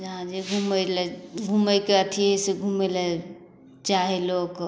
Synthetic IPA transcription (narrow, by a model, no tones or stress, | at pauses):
d͡ʒəɦãd͡ʒeɡʱuməlɛɡʱuməkeət̪ʰiɦeseɡʱumelɛ | t͡ʃaɦelok